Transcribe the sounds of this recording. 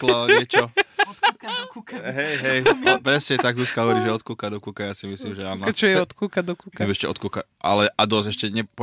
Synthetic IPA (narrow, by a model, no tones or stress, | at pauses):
klɛɲɪɛt͡ʃɔ | kkɦɛjɦɛjpɾɛsɲɛt̪aɡzuskaɦɔʋɔɾiːʒɛɔt̪kuːkad̪ɔkuːkajaːsimisliːmʒɛanɔt͡ʃɔjɛɔt̪kuːkad̪ɔkuːkaimɛʃcɛ̰ʔɔ̰t̪̚kuːka | ʔa̰lɛʔad̪ɔsɛʃcɛɲɛp